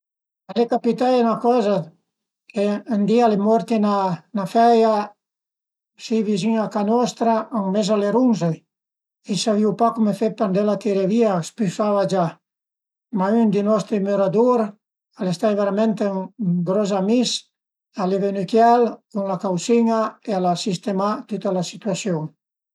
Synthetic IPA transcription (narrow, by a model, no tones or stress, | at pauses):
alekapit̪ajnakɔza | keːnd̪ialemɔɾt̪enanafɛja | siβiziŋakanɔst̪ɾaaŋmezaleɾunzej | isaβiwpakumefepend̪elat̪eɾeβiaspysaβad͡ʒa | maynd̪inɔst̪ɾemyɾad̪uɾ | alest̪ajβeɾament̪eŋɡɾɔzamis | aleβenykjalkuŋlakawsiɲaealasist̪emat̪ut̪alasit̪yasjoŋ